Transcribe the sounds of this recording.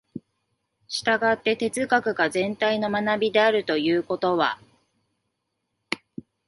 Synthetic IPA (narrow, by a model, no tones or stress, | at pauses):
ɕi̥t̪aɡat̪ːe̞t̪e̞t͡sɨkakɯ̟ɡazẽ̞nt̪aino̞manabʲid̪e̞aɾɯ̟t̪o̞jɯːko̞t̪o̞βa̰